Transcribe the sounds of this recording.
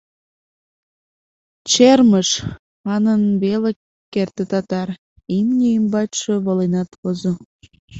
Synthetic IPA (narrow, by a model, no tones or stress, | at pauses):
t͡ɕerməʃ | mɑnənβele | kːert̪et̪ɑt̪ɑr | imnʲeimbɑt̪ʃeβolenɑt̪βozo